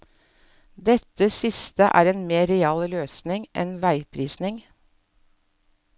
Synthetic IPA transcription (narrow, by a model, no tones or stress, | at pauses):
d̪ɛt̪əsɪst̪əʔæ̰ːɾeːnmeːɾɛɑːlløːsnɪŋʔɛnʋæɪpʰɾiːsnɪŋ